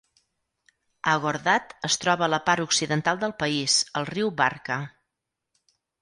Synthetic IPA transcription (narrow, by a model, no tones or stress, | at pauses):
əɣəɾðat̪əst̪ɾɔβələpaɾuksiðənt̪alˠd̪əlˠpəizəlˠriwbarkə